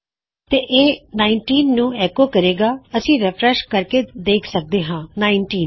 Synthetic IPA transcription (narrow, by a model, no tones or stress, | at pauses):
t̪eːʔeːnaːɪɳʈiːnːũːɛːkoːkəɾeːɡaːəsĩːɾɛpʰɾɛʃkəɾkeːd̪eːkʰsək̚d̪eːɦãːnaːɪɳʈiːn